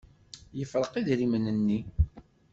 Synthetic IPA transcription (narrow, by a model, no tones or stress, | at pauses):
jəfɾˤəqiðɾimənənːi